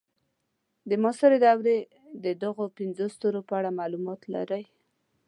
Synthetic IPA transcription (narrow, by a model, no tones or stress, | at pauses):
d̪əmɑsaɾed̪awɾe | d̪əd̪aɣopɪnzost̪oɾopəaɽamɑlumɑt̪la̰ɾəj